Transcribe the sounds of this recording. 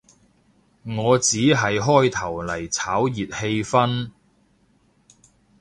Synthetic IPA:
ŋɔː˨˧t͡siː˨˥ɦɐ˨jɦɔː˥jt̪ʰɐ˨˩wlɐ˨˩jt͡sʰaː˨˥wjiː˨t̚he˧jfɐ˥n

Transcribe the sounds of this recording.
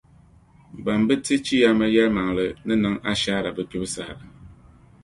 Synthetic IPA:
ba˨mbɨ˦tɨ˦t͡ʃi˦ja˦ma˦jɛ˦lma˨ŋ˨lɨ˨nɨ˦nɨ˦ŋa˦ʃaː˦ɾa˨bɨ˦pi˦bɨ˦sa˨ha˨

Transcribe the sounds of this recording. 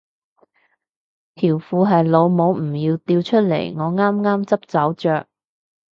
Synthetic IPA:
t̪ʰiː˨˩wfuː˨˧ɦɐ˨jlo˨˧wmo˨˧wm̩˨˩jiː˧wt̪iː˧wt͡ʃʰɵ˥t̚lḛ˨˩jŋɔː˨˧ŋaː˥mŋaː˥mt͡sɐ˥p̚t͡sɐ˨˥wt͡ʃœː˨k̚

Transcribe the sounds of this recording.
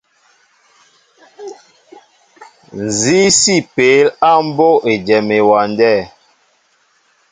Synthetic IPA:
n̩˨zi˦si˦˨pe˨˦la˦m̩˦bo˦e˨d͡ʒɛ˨me˨wa˨ndɛ˦˨

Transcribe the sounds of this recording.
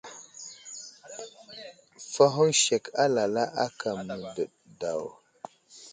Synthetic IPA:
fa˦ɦu˦nʃe˨ka˦la˨la˦ʔa˦ka˨mə˨də˨ɗ̚ | da˨w

